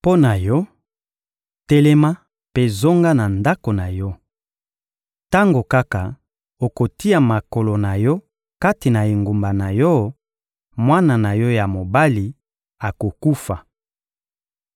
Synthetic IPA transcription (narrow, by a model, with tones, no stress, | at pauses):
po˦na˨jɔ˦ | te˦le˦ma˦ | pe˦zo˦ŋɡa˦na˨nda˦ko˨na˨jɔ˦ | ta˦ŋɡo˨ka˦ka˨ | o˨ko˨ti˦ja˨ma˨ko˨lo˨na˨jɔ˦ | ka˦ti˨na˨e˨ŋɡu˨mba˨na˨jɔ˦ | mwa˦na˨na˨jɔ˦ja˨mo˨ba˦li˨ | a˨ko˨ku˦fa˨